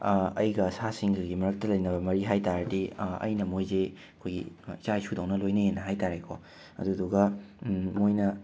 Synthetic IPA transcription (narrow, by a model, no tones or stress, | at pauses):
ɐjɡɐsasiŋɡɐɡimɐɾɐk̚tɐlɐjnɐbɐmɐɾiɦajtaɾdiɐ̰jnɐmojze | ɐkʰojɡḭit͡ʃaisʰudɐwnɐlojnɐenːɐɦajtaɾekʰɔ | ɐ̰duduɡɐ | mojnɐ